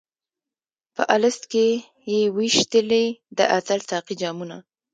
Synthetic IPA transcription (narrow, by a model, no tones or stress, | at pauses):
pə̰ʔalɪst̪ke | jewiʃt̪əled̪ə̰ʔasalsɑqid͡ʒɑmuna